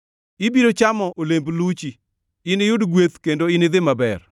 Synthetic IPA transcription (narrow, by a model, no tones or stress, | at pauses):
ɪbiɾot͡ʃamɔʔolemblut͡ʃi | ɪnɪjʊdɡwet̪kendoɪnɪd̪ɪmabɛr